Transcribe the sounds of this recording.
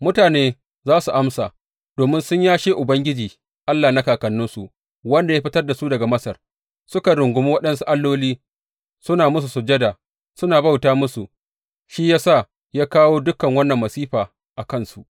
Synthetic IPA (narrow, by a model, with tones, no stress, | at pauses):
mʊ˦taː˨neː˦ | zaː˦su˨ʔa˦msa̰ː˨ | d̥oː˨mɪ˦nsʊ˦ɲjaː˦ʃeː˦ʔʊ˨bɐ˦ŋɡʲɪ˦d͡ʒiː˨ | ʔa˦lːaː˨na˦kaː˨kɐ˨nːʊ˦nsu˨ʔ | wɐ˦nda˨ja˦ɸɪ˦tɐ˦rda˨su˦dɐ˨ɡa˨mɐ˦sɐ˨r | sʊ˦ka˨ɽʊ˨ŋɡʷʊ˦miː˦wɐ˦ɗɐ˦nsu˦ʔa˦lːoː˦liː˦ | sʊ˦naː˨mʊ˦s̬u˨sʊ˨d͡ʒɐ˦daː˨ | sʊ˦naː˨ba˦˨wtaː˦mʊ˦su˨ | ʃi˦jaː˦sa˦˨ | jaː˦kaː˦woː˦dʊ˦kːɐ˨ŋwɐ˦nːɐ˨mːɐ˨siː˦ɸaː˨ | ʔa˨kɐ˦nsu˨ʔ